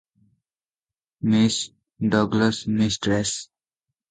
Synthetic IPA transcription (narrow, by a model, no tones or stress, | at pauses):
mis | ɖɔɡləsmisʈɾes